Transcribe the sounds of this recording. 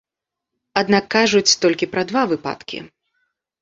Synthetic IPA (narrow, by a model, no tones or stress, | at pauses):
ad̪nakːaʐut͡sʲt̪ɔlʲkʲipɾɐd̪vavɨpa̰t̪kʲḭ